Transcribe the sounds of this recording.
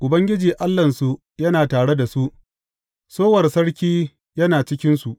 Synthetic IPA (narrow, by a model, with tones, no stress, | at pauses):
ʔʊ˨bɐ˦ŋɡʲɪ˦d͡ʒiː˨ʔa˦lːɐ˨nsu˨ | jɐ˦naː˨taː˨ɽe˦da˨su˦ʔ | soː˦wɐ˨rsɐ˦ɽkʲiː˦ | jɐ˦naː˨t͡ʃɪ˦kʲɪ˦nsu˨ʔ